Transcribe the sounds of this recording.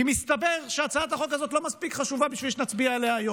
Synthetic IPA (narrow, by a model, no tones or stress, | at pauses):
imist̪abe̞ʁʃeat͡saat̪aχo̞kazot̪̬lo̞maspikχaʃuvabiʃvilʃenat͡sbiaeleajo